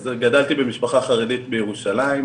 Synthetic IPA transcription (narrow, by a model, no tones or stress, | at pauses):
zɡadalt̪ibe̞miʃpaχaχaʁe̞dit̪bejeʁuʃalaim